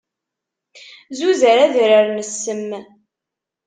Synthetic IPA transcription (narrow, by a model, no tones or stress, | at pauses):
zuzəɾæðɾəɾnəsːəmː